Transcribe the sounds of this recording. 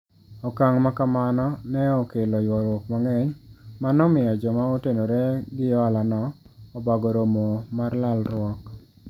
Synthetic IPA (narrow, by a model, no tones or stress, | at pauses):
ɔkaŋmakamanɔnɛɔkelɔjwɔɾwɔkmaŋɛɲmanɔmɪɔd͡ʒɔmaotenoɾeɡɪɔalanɔɔbaɡoɾomomarlalɾwɔk